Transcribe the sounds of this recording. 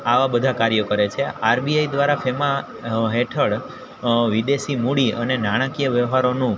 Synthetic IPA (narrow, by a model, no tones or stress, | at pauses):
aʋabəd̪ʱakaɾjəkəɾet͡ʃʰeaɾbiajd̪ʋaɾafʰema | ɦeʈʰəɽ | ʋid̪esimuɽiənenaɽ̃akijəʋjəʋɦaɾonũ